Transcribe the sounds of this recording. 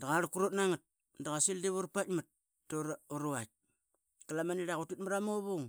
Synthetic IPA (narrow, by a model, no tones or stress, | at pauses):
daɣaɾukuɾotnaŋat̚ | ndaɣasildiβuɾpatmat̚ | toɾuɾuat̚ | kalamaniɾaɣutit̚maɾamoβoŋ